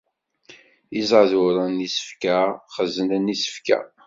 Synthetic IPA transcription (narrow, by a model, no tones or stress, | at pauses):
izʕðʊɾˤænisə̥fkæχəzənænisə̥fkæ̰